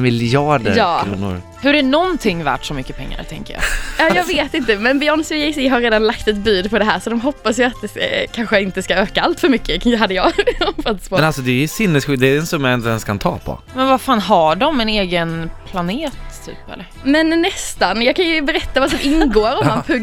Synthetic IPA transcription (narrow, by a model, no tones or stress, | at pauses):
mɪlɑːɖəɾjɑːkʰɾṵːnʊ̰ɾ | hɵɖɛnɔnt̪ʰɪŋːvæ̰ːʈʂɔmʏkːəpʰɛ̰ŋːa̰ɾt̪ʰɛ̰ŋkə̰jɑ̰ːjɑːjɑːɡveːt̪ɪnt̪əmɛnbɪœɳsɪjɛɪsɪɦaɾeːd̪anlakt̪ɛt̪byːd̪pʰɔd̪ɛɦæːɾsɔd̪ɔmɦɔpːasjaat̪̚d̪ɛkʰanɧəɪnt̪əskaøːkaalt̪fœɾmʏkːəɦad̪ːəjɑɔfat̪ːɪ̥spoɛnalsɔd̪ɛjsɪnhɛsɧʏd̪ɛːɾɛnsɵmjaɛnt̪lɛnskʰant̪ʰɑ̰ːpʰɔ̰ | mɛnvafaːnɦaɖɔmɛneːɡənpʰlaneːt̪ʰːy̰ːpɛ̰lːəɾmɛnːɛst̪anjɑːkʰanjɵbɛɾɛt̪ːavas̬ɔmʔɪnɡoːɾɔmmːanpʰɵɡ